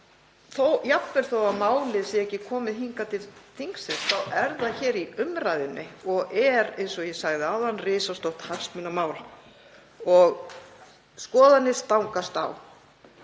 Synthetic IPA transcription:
θowjapvɛɾ̥θowamaːwlɪsɛɛhcːɪkʰɔːmɪðɦiŋkat̪ʰɪlθiŋksɪnθawʔɛɾðaçɛːɾiʏmɾajðɪnːʔɪɔɣɛɾejnsɔjɛsaɣðɪawðanːrɪːsawst̪ɔwht̪hansmʏnamaːwl | ɔɣ | skɔːðanːɪst̪awŋkast̪a̰w

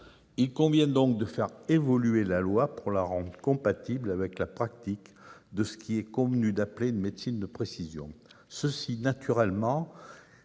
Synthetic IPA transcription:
ilkɔ̃vjɛ̃d̪ɔ̃k̚d̪əfɛʁevɔlyelalwapuʁlaʁɑ̃d̪ʁəkɔ̃pat̪iblavɛklapχak̚t̪ikd̪əsə̥kʰʲiɛkɔ̃vənyd̪apleynmet̪sind̪əpχesizjɔ̰̃ | səsinat̪yʁɛlmɑ̃

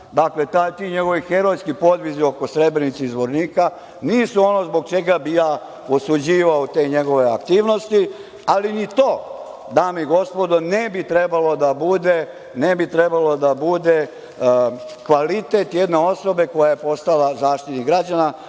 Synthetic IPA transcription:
d̪akle̞t̪aːjt̪iɲe̞ɡo̞ʋixeɾojskipo̞d̪ʋizio̞kosɾe̞bɾenit̪seizʋoɾniːka | niːsuo̞no̞zbo̞ɡ̚t͡ʃe̞ɡabijaː | osud͡ʑiːʋaot̪e̞ːɲe̞ɡo̞ʋe̞akt̪iːʋno̞st̪i | alinit̪o̞ː | d̪aːmiɡo̞spo̞d̪onebit̪ɾebalo̞d̪abud̪e̞ | nebit̪ɾebalo̞d̪abud̪e̞ | kʋalit̪et̪jed̪neo̞so̞be̞ko̞jaje̞po̞st̪alazaːʃt̪it̪niɡɾad͡ʑana

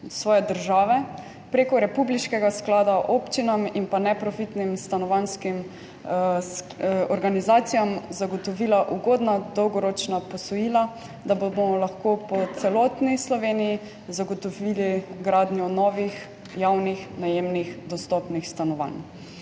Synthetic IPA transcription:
sʋɔːjɛd̪əɾʒaːʋɛ | pɾekɔɾɛpubliʃkɛɡasklaːd̪aʔoːpt͡ʃinaminpanɛpɾɔfit̪nimst̪anɔʋanskim | ɔɾɡanizaːt̪sijamzaɡɔt̪ɔʋiːlaʔuɡoːd̪nad̪ɔwɡɔɾoːt͡ʃnapɔsɔjiːla | d̪abobomɔlaxkoːpɔt̪sɛlɔt̪nislɔʋeːniji | zaɡɔt̪ɔʋiliɡɾaːd̪njɔnɔːʋix | jawnixnajeːmnixd̪ɔst̪ɔpnixst̪anɔʋa̰n

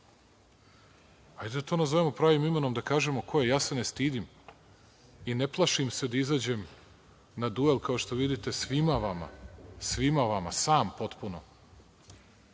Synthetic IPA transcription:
hajd̪ed̪at̪onazoʋemo̞pɾaːʋimime̞no̞md̪akaːʒe̞mo̞kʰo̞je̞jaːse̞nest̪iːd̪im | ineplˠaʃimse̞d̪aizaːd͡ʑe̞m | nad̪ue̞lˠkao̞ʃt̪o̞ʋid̪it̪e̞sʋimaʋama̰sʋimaʋama̰saːmpo̞t̪puno

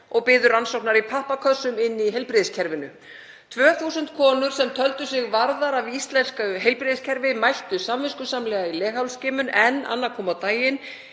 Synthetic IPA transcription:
ɔɣpɪːðʏɾansowhpnaɾipʰahpakʰœð̥sʏmɪnːiɦejlpɾɪðɪscʰɛɾvɪnʏ | t̪ʰvœːθusʏnt̪kʰɔːnʏɾ̥sɛmt̪ʰœlt̪ʏsɪɣvaɾðaɾavist̪lɛnskaɦejlpɾɪðɪscʰɛɾvɪmajht̪ʏsamvɪskʏsamlɛːɣailɛːxawlscɪːmʏnɛnːa̰nːakʰɔːmawt̪aːjɪn

